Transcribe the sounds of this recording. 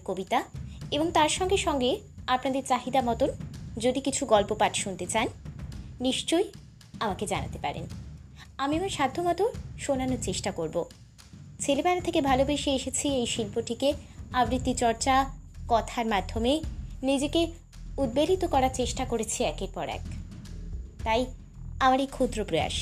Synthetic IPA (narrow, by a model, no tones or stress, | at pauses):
kobit̪aeboŋt̪aɾʃɔŋɡeʃɔŋɡeapnad̪eɾt͡ɕaɦid̪amɔt̪ond͡ʑod̪ikit͡ɕʰuɡɔlpopaʈʃunt̪et͡ɕanniʃt͡ɕoj | amaked͡ʑana̰t̪epa̰ɾḛn | amiamaɾʃad̪ʱːomɔt̪oʃonanoɾt͡ɕeʃʈakoɾbo | t͡ɕʰelebɛnat̪ʰekebʱalobeʃeeʃet͡ɕʰiejʃilpoʈikeabɾit̪ːit͡ɕɔɾt͡ɕakɔt̪ʰaɾmad̪ʱːomenid͡ʑeke | ud̪̚belit̪okɔɾaɾt͡ɕeʃʈakoɾet͡ɕʰiɛkeɾpɔɾɛ̰k | t̪aj | amaɾejkʰud̪ɾopɾoja̰ʃ